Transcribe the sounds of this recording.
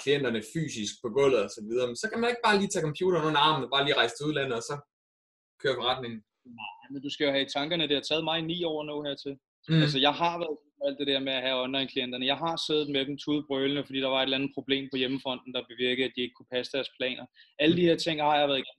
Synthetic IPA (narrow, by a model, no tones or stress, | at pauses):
kʰlien̰d̥ɐnəfy̰ːsisɡ̥̚pʰɒ̽ɡ̥ɔ̽l̰̩ˠɒsɒʋið̞ˠɐmensɒ̽kʰæmæne̝ɡ̥̚b̥ɑ̈ːliːt͡sʰɛ̰ːkʰɒmpʰjṵːɾ̥ɐnoːn̩ɑ̈ːmnəb̥ɑ̈ːliːʁɑ̈ɪsd̥euðˠlæn̰ð̩ˠɒsɒ̽ | kʰøːɐfɒʁɑd̥̚ne̝ŋn̩ | nɑɪmend̥usɡ̥æjo̝hæt͡sʰɑ̈ŋɡ̥ɐnəd̥ehɑt͡sʰɛːð̞̩ˠmɑ̈ɪnḭːɒ̰ʊ̰noheɐ̰t͡sʰe̝l | ælsəjɑ̈ɪɦɑ̈ʋæːɐðˠseð̥mæl̰d̥e̝d̥eæɐ̰meæhæɒ̽nlɑ̈ɪ̰nkʰlien̰d̥ɐnəjɑ̈ɪɦɑ̈seðð̩ˠmed̥em̩t͡sʰuð̞̩ˠb̥ʁœːlnəfd̥ḭːd̥ɑ̈ʋɑ̈e̝dlænð̩ˠpʰʁo̝b̥le̝̰ːmpʰɒ̽jeməfɒ̽n̰d̥n̩d̥ɑ̈b̥eʋiɐɡ̥ð̩ˠæd̥ie̝ɡ̥ə̥kʰupʰæsəd̥æɐspʰlɛ̰ːnɒʔæləd̥iheɐt͡sʰe̝ŋ̰hɑ̈jɑʋæɐðˠɡen̩